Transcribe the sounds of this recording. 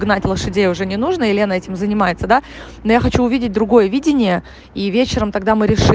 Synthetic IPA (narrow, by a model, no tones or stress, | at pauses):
ɡnatʲlˠəʂɨdʲejəʊʐɛnʲɪnuʐnəɪlʲe̞nəɛtʲɪmzənʲɪmajɪt̪səd̪a | nojaxɐt͡ɕuʊvʲidʲɪt̚ʲd̪ɾʊɡo̞jəvʲidʲɪnʲɪjə | ivʲet͡ɕɪɾəmt̪ɐɡd̪amɨɾʲɪʂ